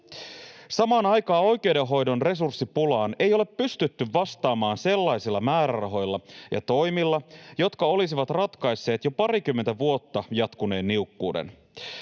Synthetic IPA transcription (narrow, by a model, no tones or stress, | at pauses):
sɑmɑːnɑjkɑːo̞jk̟ewdeɦo̞jdo̞nre̞s̬ursːipulɑːne̞jo̞le̞pːyst̪yt̪ːyʋːɑst̪ɑːmɑːnse̞lːɑjsilːɑmæːɾærɑɦo̞jlːɑjɑ̰t̪o̞jmilːɑjo̞t̪kɑo̞lis̬iʋɑt̪rɑt̪kɑjsːe̞ːt̪jopɑrik̟ymːent̪æʋuo̞t̪ːɑjɑt̪kune̞ːnːiukːuːdḛn